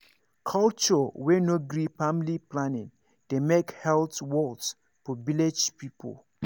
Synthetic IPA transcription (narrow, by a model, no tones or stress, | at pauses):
kʰalt͡ʃɔwɛnoɡɹifamliplanɪ̰̃n | d̥emekhɛltwɔlds | fɔviled͡ʒpipʰo̰l